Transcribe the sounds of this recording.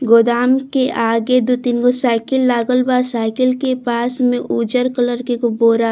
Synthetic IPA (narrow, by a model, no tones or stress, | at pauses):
ɡoːd̪aːmkeʔaːɡed̪ot̪ɪnɡosaːɪkɪlːaːɡəlbaːsaːɪkɪlkepaːsmẽʔuːd͡ʒəɾkələɾkekoboːɾa